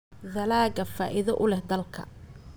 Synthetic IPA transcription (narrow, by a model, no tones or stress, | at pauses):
ðɐlaːɡɐfaːʔɪðɐʔʊlɛhd̪ɐlkʰɐ̰